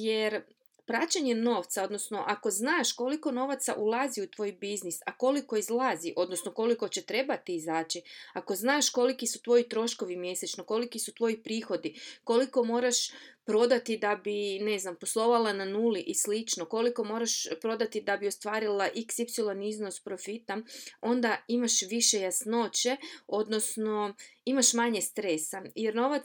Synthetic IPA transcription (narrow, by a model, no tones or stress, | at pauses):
jeɾ | pɾaːt͡ɕaɲe̞no̞ːʋt̪sao̞d̪no̞sno̞ʔako̞znaːʃko̞liko̞no̞ʋat̪saʔulˠaziut̪ʋo̞ːjbiznisako̞liko̞izlˠaziʔo̞d̪nosnoko̞liko̞t͡ɕe̞t̪ɾe̞bat̪iːzaːt͡ɕiako̞znaːʃko̞likisut̪ʋo̞jit̪ɾo̞ʃko̞ʋimje̞set͡ʃnoko̞likisut̪ʋo̞jipɾiːxo̞d̪iko̞liko̞mo̞ːɾaʃpɾo̞d̪at̪id̪abine̞znamposlˠo̞ʋalananuːliʔislit͡ʃnoko̞liko̞mo̞ːɾaʃpɾo̞d̪at̪id̪abio̞st̪ʋaːɾilˠaʔiksipsilˠonizno̞spɾo̞fit̪ao̞nd̪aimaʃʋiʃe̞jasno̞t͡ɕe̞o̞d̪no̞sno̞imaʃmaɲe̞st̪ɾe̞sajeɾno̞ʋa